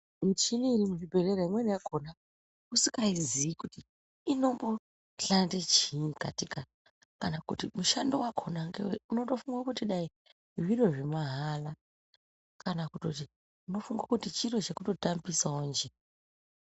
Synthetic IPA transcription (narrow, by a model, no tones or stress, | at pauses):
mit͡ʃiniːɾimuʐibʱe̞reɾaimwe̞nijakʰona | usikaizijikutiː | no̞mbo̞ | ɬandet͡ʃinka̰tika | kanakṵtimuʃandowakʰo̞naŋɡeweuno̞to̞fuŋɡakutiɗai | ʋiro̞ʐemaɦala | kanakuto̞t̬i | uno̞fuŋɡwakutit͡ʃiro̞t͡ʃe̞kuto̞tambisaond͡ʒe